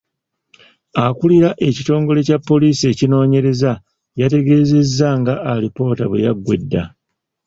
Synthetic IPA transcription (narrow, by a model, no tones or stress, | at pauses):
akuliɾaʔe̞cito̞ːŋɡo̞le̞capːo̞liːsie̞cino̞ːɲe̞ɾe̞za | jate̞ɡe̞ːze̞zːaŋɡaʔːlipo̞ːtaβwḛjaɡwe̞̰dːa